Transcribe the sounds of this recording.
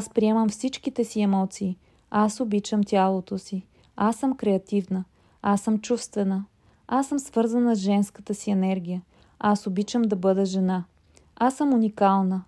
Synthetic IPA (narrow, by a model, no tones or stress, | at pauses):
aspɾiɛməmfsit͡ʃkit̪ɛsiɛmɔt̪siː | asobit͡ʃəmt̪ʲalˠot̪osi | asɤmkɾɛɐt̪ivnə | asəmt͡ʃufst̪vɛnə | asːəmsvɤɾzənəzʒɛnskət̪əsiɛnɛɾɡʲijə | asobit͡ʃəmd̪ɐbɤd̪ɛʒɛna | asəmunikalˠnə